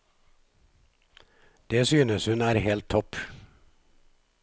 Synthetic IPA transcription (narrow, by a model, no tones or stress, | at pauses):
d̪̥eːsyːnəshʉnæːɾheːlt̪ʰːɔp